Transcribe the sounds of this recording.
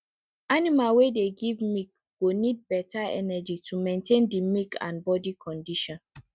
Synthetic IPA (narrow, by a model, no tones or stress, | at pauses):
animalwedeɡivmik̚ | ɡonid̚bɛtaɛ̰nɛd͡ʒitʰumẽntʰẽndimikʰã̰nbɔdikʰɔ̃ndiʃɔ̃n